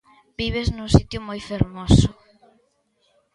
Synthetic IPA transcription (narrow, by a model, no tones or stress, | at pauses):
biβeznʊsit̪jʊmojfeɾmosʊ